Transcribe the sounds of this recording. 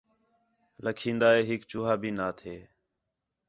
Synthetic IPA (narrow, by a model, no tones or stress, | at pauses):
ləkʰĩːnd̪aːɦeːɦɪkt͡ʃʊːɦaːbʱiːnaːt̪ʰeː